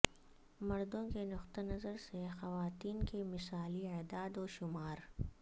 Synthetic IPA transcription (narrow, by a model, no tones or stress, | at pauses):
mɐɾd̪õkenʊxt̪anɐzəɾsexɐʋaːt̪iːnkemɪsaːliaːd̪aːd̪ɔːʃʊmaːɾ